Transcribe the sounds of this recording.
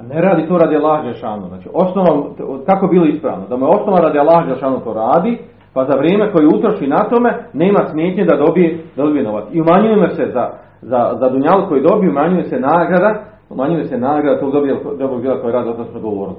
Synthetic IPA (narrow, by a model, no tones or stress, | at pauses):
neɾaːd̪it̪oːɾad̪ialːaːhad͡ʒelˠeʃaːnoznaːt͡ʃiʔo̞snoʋamkakoebiːlˠoispɾa̰ːʋnod̪amujeo̞snoʋanɾaːd̪ialˠːaːhad͡ʒelˠʃaːnot̪oːɾaːd̪i | pazaʋɾjeːme̞ko̞jeut̪ɾoʃinat̪o̞me̞ne̞ːmasmje̞ːt̪ɲed̪ad̪obijed̪ad̪bijeno̞ʋat̪siumaɲujemoseza | zazad̪uɲaluko̞jid̪o̞bijumaɲujesenaːɡɾad̪a | umaɲujesenaːɡɾad̪at̪oɡd̪obijelkod̪obɾoɡbiːlako̞jeɾaːd̪iot̪at̪od̪ɡoʋoːɾlo